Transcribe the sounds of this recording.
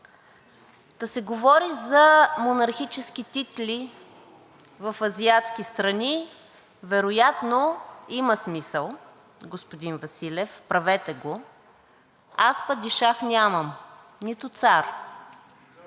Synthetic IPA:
k̪ɐsɛɡovɔɾizɐmonɐɾxit͡ʃɛsk̟it̪it̪lʲi | vɐfɐziat̪skist̪ɾɐni | vɛɾojat̪noiməsmisəlˠ | ɡospod̪invɐsilʲɛfpɾɐvɛt̪ɛɡo | aspɐd̪iʃaxnʲaməm | nit̪ʊt̪saɾ

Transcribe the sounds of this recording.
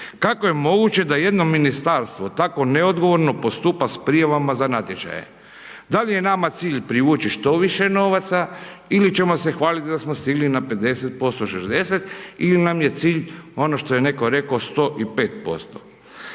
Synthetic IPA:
kako̞je̞mo̞ɡut͡ɕe̞d̪aje̞d̪no̞minist̪aɾst̪ʋo̞t̪ako̞neod̪ɡo̞ʋo̞ɾno̞po̞st̪upaspɾijaʋamazanat̪jet͡ʃa̰jḛ | d̪alije̞namat̪siːʎpɾiʋuːt͡ʃiʃt̪o̞ʋiʃe̞no̞ʋat̪sailit͡ʃe̞mo̞se̞xʋaːlit̪d̪asmost̪iɡlinape̞d̪e̞set̪̚po̞st̪oʃezd̪e̞set̪ilinamje̞t̪siːʎo̞noʃt̪o̞jene̞ko̞ɾe̞kost̪o̞ːʔipe̞ːt̪̚po̞̰st̪o̥

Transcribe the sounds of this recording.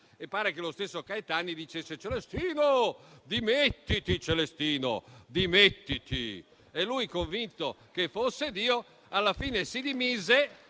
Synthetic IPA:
epːaːɾekelost̪esːokaet̪anid̪it͡ʃesːet͡ʃelest̪iːnod̪imet̪ːit̪it͡ʃelest̪iːno̰d̪imet̪ːit̪ḭ | elːujkoɱvint̪o | kefosːed̪iːo | alːafiːnesid̪imiːze

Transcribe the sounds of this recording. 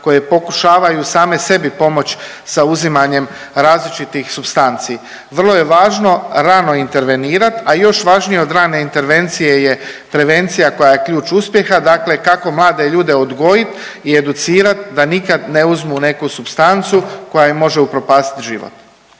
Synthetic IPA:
ko̞je̞po̞kuʃaːʋajusaːme̞se̞bipo̞mo̞t͡ɕ | sauzimaɲe̞m | ɾaːzlit͡ʃit̪ixsubst̪ant̪siː | ʋr̩lˠoje̞ʋaːʒno̞ɾano̞int̪e̞ɾʋe̞niːɾat̪ajo̞ʃʋaʒnijeo̞d̪ɾaːne̞int̪e̞ɾʋe̞nt̪sije̞je̞ | pɾe̞ʋe̞nt̪sijako̞jaje̞kʎʲuːt͡ʃuspje̞xad̪akle̞kako̞mlˠaːd̪e̞ʎuːd̪e̞od̪ɡo̞jit̪ | ie̞d̪ut̪siːɾat̪d̪anikad̪ne̞uzmune̞kusupst̪ant̪suko̞jaimo̞ʒeupɾo̞paːst̪i̥t̪ʒḭʋo̰t̪

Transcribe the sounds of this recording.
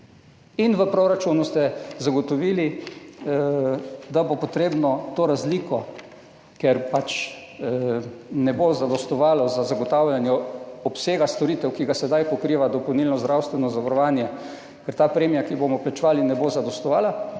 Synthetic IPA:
inʋəpɾoɾat͡ʃunust̪ɛzaɡɔt̪ɔʋiːli | d̪abopɔt̪ɾeːbnɔt̪oːɾazlikɔ | kɛɾpat͡ʃ | nɛbozad̪ɔst̪ɔʋaːlɔzazaɡɔt̪awljanjɛɔpseːɡast̪ɔɾiːt̪ɛwkiɡasɛd̪ajpɔkɾiːʋad̪ɔpɔwniːlnɔzd̪ɾawst̪ʋɛnɔzaʋaɾɔʋaːnjɛ | kɛɾt̪aːpɾeːmijakibomɔplat͡ʃʋaːlinɛbozad̪ɔst̪ɔʋaːla

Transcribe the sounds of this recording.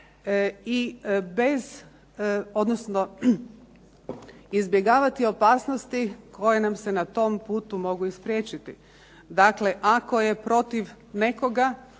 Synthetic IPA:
ibe̞z | o̞d̪nosno̞ | izbje̞ɡaːʋat̪io̞paːsno̞st̪ikʰo̞je̞namse̞nat̪o̞mpuːt̪umo̞ɡuispɾjeːt͡ʃit̪ḭ | d̪akleʔako̞je̞pɾo̞t̪iʋ | ne̞ko̞ɡa

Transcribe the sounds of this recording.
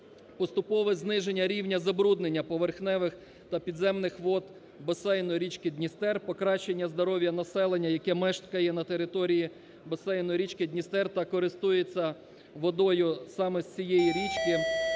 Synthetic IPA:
pɔst̪ʊpɔʋɛznɪʒenʲːɐɾʲiwnʲɐzɐbɾud̪nenʲːɐpɔʋerxnɛʋɪx | t̪ɐpʲid̪zɛmnɪxʋɔd̪ | bɐsɛjnɔjɾʲit͡ʃkɪd̪ʲnʲist̪ɛrpɔkɾɑʃe̞nʲːɐzd̪ɔɾɔʋʲjɐnɐsɛlˠenʲːɐjɐkɛmɛʃt̪kɐjɛnɐt̪eɾɪt̪ɔɾʲiji | bɐsɛjnɔjɾʲit͡ʃkɪd̪nʲist̪ɛrt̪ɐkɔɾɪst̪ujet͡sʲːɐ | ʋɔd̪ɔjʊsɑmɛsʲt͡sʲijɛjiɾʲit͡ʃkɪ

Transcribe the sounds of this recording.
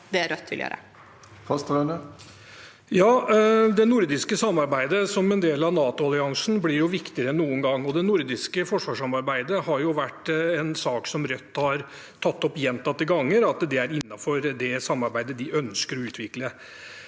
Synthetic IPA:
d̪ɛæɾœt̪ʰːɪljø̰ːɾə̰ | fɑst̪ɛnə | jɑːd̪ɛnʊɾd̪ɪskəsɑmːɑɾbæɪd̪əsɔmɛnd̪eːlɑʋnɑːt̪ʊɑlɪɑŋsn̩blɪɾjʊʋɪkt̪ɪəɾəɛnːuːənɡɑŋːɔd̪ɛnʊɾd̪ɪskəfɔʂʋɑːʂɑmɑɾbæɪd̪əhɑɾjʊʋæʈːɛnsɑːksɔmɾœt̪ːhɑɾ | t̪ʰɑt̪ːɔpjɛnt̪ɑt̪ːɪɡɑŋːəɾɑt̪d̪ɛæɾɪnːɑfɔɾd̪ɛsɑmːɑɾbæɪd̪əd̪ɪʔœnskəɾɔʉːt̪ʰʋɪklə

